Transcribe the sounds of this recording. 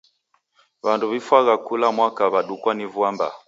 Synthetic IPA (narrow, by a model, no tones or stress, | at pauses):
βanduβifwaɣakulamwakaβaɗukwanivuamba̰